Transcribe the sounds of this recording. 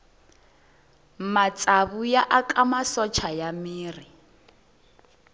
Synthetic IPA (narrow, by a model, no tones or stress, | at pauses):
mat͡sʼaβujaʔakʼamasɔt͡ʃʰajamiːri